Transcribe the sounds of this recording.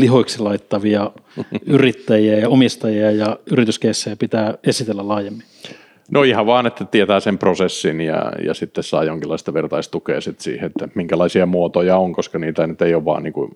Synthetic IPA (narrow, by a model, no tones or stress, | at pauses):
lihoiksilɑit̪ːɑʋiɑyrit̪ːæjiæjɑomist̪ɑjiɑjɑyrit̪yskeisːæjæpit̪æːesit̪elːælɑːjemːin | nʔoihɑʋʋɑːnet̪ːæt̪iet̪æːsemprosesːinjɑ̰jɑ̰sit̪ːessɑ̰ːjoŋkilːˑɑist̪ɑʋert̪ɑist̪ukḛːsit̪sḭːheet̪ːæmiŋkælɑisiɑmuot̪ojɑoŋkoskɑniːt̪ænyt̪eijoʋʋɑ̰ːniːŋkṵ